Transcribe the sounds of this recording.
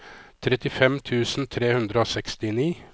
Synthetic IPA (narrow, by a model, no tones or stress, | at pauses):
t̪ʰɾɛt̪ɪfɛmt̪ʰʉːsn̩t̪ʰɾeːhʉnd̪ɾəoːsɛkst̪ɪniː